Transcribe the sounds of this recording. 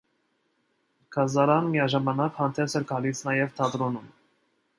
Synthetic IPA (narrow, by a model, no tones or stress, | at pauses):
kʰɑzɑɾɑnmijɑʒɑmɑnɑkhɑnt̪ʰɛsɛɾkʰɑlit͡sʰnɑjɛvt̪ʰɑd̪ɾɔnum